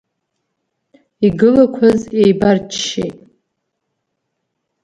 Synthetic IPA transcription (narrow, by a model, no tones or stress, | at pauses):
iɡɨlakʷʰazejbart͡ʃʰʃḛjtʼ